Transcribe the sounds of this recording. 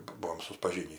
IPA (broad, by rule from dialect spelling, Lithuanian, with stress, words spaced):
ˈbuɔm sʊtpɐˈʒʲiːnʲiː